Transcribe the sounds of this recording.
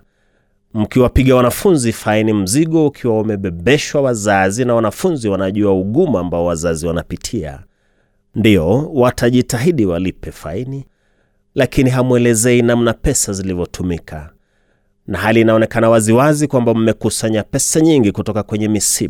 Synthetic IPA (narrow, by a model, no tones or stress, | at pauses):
m̩kiwapiɠawanafunzifainim̩ziɠɔukʰiwaumɛɓɛɓɛʃwawazazinawanafunziwanaʄuauɠumaambaɔwazaziwanapitʰia̰ | ndiɔwatʰaʄitaɦiɗiwalipɛfaini | lakiniɦamwɛlɛzɛinam̩napɛsazilivɔtʰumikʰa̰ | naɦaliːnaɔnɛkanawaziwazikwambam̩mɛkusaɲapɛsaɲiŋɡikutɔkakwɛɲɛmisi